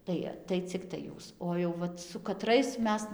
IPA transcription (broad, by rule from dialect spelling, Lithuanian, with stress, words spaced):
ˈtɐɪ tɐɪ ˈt͡sʲɪktɐɪ ˈjuːs oː jɛʊ ˈʋɐt sʊ kɐˈtrɐɪs ˈmʲɛs